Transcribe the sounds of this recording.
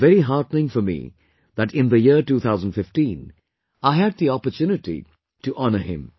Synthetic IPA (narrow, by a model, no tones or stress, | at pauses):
vɛɾiɦɑɹtnɪ̃ŋfəmḭ | ðæʈɪ̃nðəjiɹʈuːt̪ʰaʊzə̃n̩dfɪfʈĩːn | aɪɦɨd̪̚ðiɔpətʰjunɪtḭ | tuʔɔnə˞ɪ̰̃m